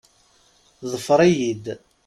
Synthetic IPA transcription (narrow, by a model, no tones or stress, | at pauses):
ðˤəfəɾˤæjid̪